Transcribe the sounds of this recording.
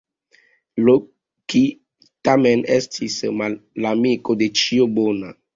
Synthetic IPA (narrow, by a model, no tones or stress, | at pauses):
lo | ki | tamenestʰismalamikodet͡ʃiobona